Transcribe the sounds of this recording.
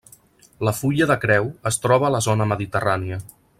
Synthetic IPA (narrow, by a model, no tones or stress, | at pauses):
ləfuʎəðəkɾɛwəst̪ɾɔβ̞əːləzonəməðit̪əraniə